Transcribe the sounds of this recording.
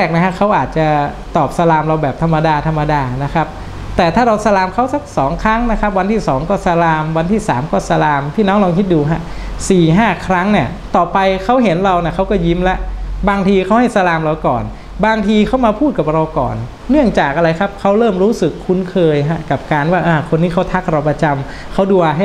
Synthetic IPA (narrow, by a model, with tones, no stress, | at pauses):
ɾɛː˥˩k̚na˦˥kʰa˦˥kʰa˦˥wʔaː˨˩t̪̚t͡ɕa˨˩ | t̪ɔː˨˩p̚sa˧laː˧mɾa˧wbɛː˨˩p̚t̪ʰa˧mːa˧daː˧t̪ʰa˧mːa˧daː˧na˦˥kʰa˦˥p̚ | t̪ɛː˨˩t̪ʰaː˥˩ɾa˧wsa˧laː˧mkʰa˦˥wsa˦˥k̚sɔː˩˦ŋkʰɾa˦˥ŋna˦˥kʰa˦˥p̚wa˧nt̪ʰiː˥˩sɔː˩˦ŋkɔː˥˩sa˧laː˧mwa˧nt̪ʰiː˥˩saː˩˦mkɔː˥˩sa˧laː˧mt̪ʰiː˥˩nɔː˦˥ŋlɔː˧ŋkʰi˦˥t̪̚duː˧ɦa˦˥siː˨˩ɦaː˥˩kʰɾa˦˥ŋni˥˩ɐ | t̪ɔː˨˩pa˧jkʰa˦˥wɦe˩˦nɾa˧wni˥˩ɐkʰa˦˥wkɔː˥˩ji˦˥mlɛ˦˥ʔbaː˧ŋt̪ʰiː˧kʰa˦˥wha˥˩jsa˧laː˧mɾa˧wkɔː˨˩n | baː˧ŋt̪ʰiː˧kʰa˦˥wmaː˧pʰuː˥˩t̪̚ka˨˩p̚ɾa˧wkɔ̰ː˨˩nː | ɯ˥˩əŋt͡ɕaː˨˩k̚ʔa˧ɾa˧jkʰa˦˥p̚kʰa˦˥wɾɤː˥˩mɾuː˦˥sɯ˨˩kʰːu˧˥nkʰɤː˧jɦa˦˥ka˨˩p̚kaː˧nwaː˥˩ʔaː˧˩kʰo˧nːiː˦˥˩kʰa˦˥wt̪ʰa˦˥k̚ɾa˧wpɾa˧t͡ɕa˧m | kʰa˦˥wduː˧a˧ɦa˥˩